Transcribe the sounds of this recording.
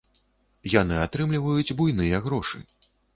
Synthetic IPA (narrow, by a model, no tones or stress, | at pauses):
janɨat̪ɾɨmlʲivɐjud͡zʲbujnɨjɐɣɾɔʂɨ̰